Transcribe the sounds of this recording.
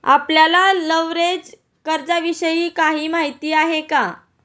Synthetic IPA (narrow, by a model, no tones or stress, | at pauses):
a̰pljalaləʋɾed͡z | kəɾd͡zaʋiɕəjiːkaɦiːmaɦit̪iːaɦeka